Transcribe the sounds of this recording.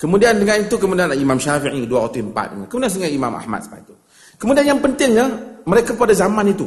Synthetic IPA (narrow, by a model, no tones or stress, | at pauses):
kəmudiandəŋanit̪ukəmudianaimãmʃafiʔɲiduawat̪uəmpa̰t̪̚dəŋankəmudians̬uŋajima̰ma̰hma̰t̪̚sə̥ba̰it̪u | kəmudianjaŋpənt̪ɪŋɲəməɾekapadazamãnit̪u